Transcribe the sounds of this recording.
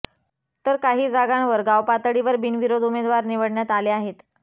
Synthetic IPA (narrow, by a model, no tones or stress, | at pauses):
t̪əɾkaɦiːd͡zaɡãnʋəɾɡaʋpat̪ɽiʋəɾbinʋiɾod̪umed̪ʋaɾniʋəɽɳjat̪aleaɦet̪